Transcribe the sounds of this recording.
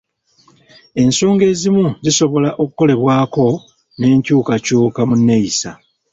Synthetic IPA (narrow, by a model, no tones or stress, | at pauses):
e̞nso̞ːŋɡe̞ːzimuziso̞βo̞laʔo̞kuko̞le̞βwaːko̞ | ne̞ːɲcuːkacuːkamunːe̞jisa